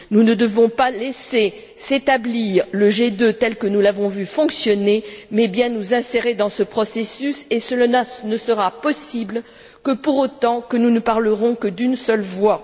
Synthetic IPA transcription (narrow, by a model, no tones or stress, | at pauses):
nunəd̪əvɔ̃palese | set̪abliʁləʒed̪øt̪ɛlkənulavɔ̃vyfɔ̃ksjɔnemɛbjɛ̃nuzɛ̃seʁed̪ɑ̃səpχɔsesysesəlaanəsəʁapɔsibl | kəpuʁot̪ɑ̃kənunəpaʁləʁɔ̃kəd̪ynsœlvwa